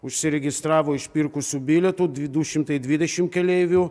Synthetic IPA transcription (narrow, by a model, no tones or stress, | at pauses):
ʊʃʲsʲɪɾʲɛɡʲɪst̪ɾɑːʋoːɪʃʲpʲiɾkʊsʲuːbʲilʲɛt̪uːd̪ʲd̪uʃʲɪmt̪ɐɪd̪ʲʋʲid̪ʲɛʃʲɪmkʲɛlʲɛɪʋʲuː